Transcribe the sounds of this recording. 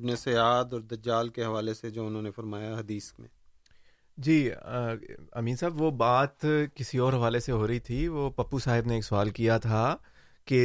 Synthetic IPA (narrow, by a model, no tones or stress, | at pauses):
bneseaːd̪ɔːɾd̪ɐd͡ʒaːlkeɦɐʋaːlesed͡ʒoːʊnɦõːnefɐɾmaːjaɦɐd̪iːsmḛ̃ː | d͡ʒiː | ɐmiːnsaːbʋobaːt̪kɪsiɔːɾɦɐʋaːleseɦoːɾɐit̪ʰiʋopɐpːusaːɦɪbneːksʊaːlkijat̪ʰa | ke